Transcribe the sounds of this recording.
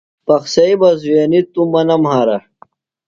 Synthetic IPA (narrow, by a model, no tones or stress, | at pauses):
pɐxsɐibɐzweːnit̪umɐnɐmhaːɾɐ